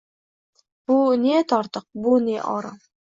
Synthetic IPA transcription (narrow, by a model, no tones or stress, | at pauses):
b̥unet̪ʰɒɾt̪əq̚bʊneʔɒɾɑ